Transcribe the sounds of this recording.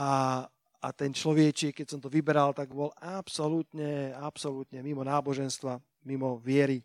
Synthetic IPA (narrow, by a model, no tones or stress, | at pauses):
ʔaː | t̪ɛnt͡ʃlɔʋɪɛt͡ʃɪɛkkːɛcsɔmt̪ɔʋibɛɾalt̪aɡbɔlapsɔlut̪ɲɛapsɔlut̪ɲɛmimɔnaːbɔʒɛnst̪ʋa | mimɔʋɪɛɾi